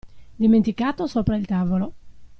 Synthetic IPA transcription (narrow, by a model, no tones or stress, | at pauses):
d̪iment̪ikaːt̪osopɾailt̪aːvolo